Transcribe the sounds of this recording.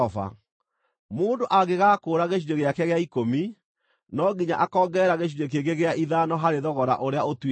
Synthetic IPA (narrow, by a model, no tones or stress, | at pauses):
ɔfa̰ | moːndoʔaɣeɣakoːɾaɣeʃ̬iɾeɣeakɛɣeaikomi | nɔɡiɲa̰ʔakɔːɡɛɛɾaɣeɕ̬iɾek̬eɡeɣeaʔiðanɔɦaɾeðɔɣɔɾa̰ʔoɾeaotw